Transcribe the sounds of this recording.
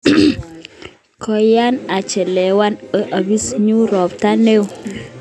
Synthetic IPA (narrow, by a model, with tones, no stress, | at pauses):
kɔ˨ja˦na˨t͡ʃɛ˨lɛ˨wa˦ne˦ʔa˨bi˦sɲu˦ɾɔ˨pta˦ne˦w